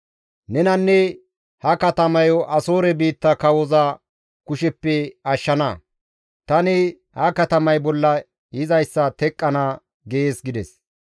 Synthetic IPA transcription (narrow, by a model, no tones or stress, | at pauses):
nɛnɐnːɛ | hɐkɐt̪ɐmɐjɔʔɐsoːɾɛbiːt̪ːɐkɐwɔzɐ | kʊʃɛpːɛɐʃːɐnɐ | t̪ɐnɪ | hɐkɐt̪ɐmɐjbɔlːɐ | jɪzɐjsːɐt̪ɛkʼːɐnɐ | ɡeeːsɡɪd̪ɛs